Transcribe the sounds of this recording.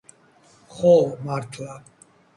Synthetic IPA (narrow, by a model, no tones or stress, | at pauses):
χɔmaɾt̪ʰla